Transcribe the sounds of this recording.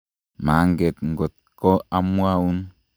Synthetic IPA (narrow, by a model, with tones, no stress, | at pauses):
ma˨˦ŋɡe˨t̪ŋɡo˨t̪̚ | ko˦a˦mu˦a˦u˦n